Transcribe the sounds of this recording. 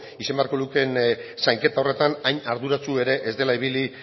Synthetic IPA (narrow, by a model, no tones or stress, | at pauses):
ise̞mbeaɾko̞luke̞nsajŋke̞t̪ao̞re̞t̪anajɲaɾðuɾat͡sue̞ɾe̞ʔezd̪e̞laiβili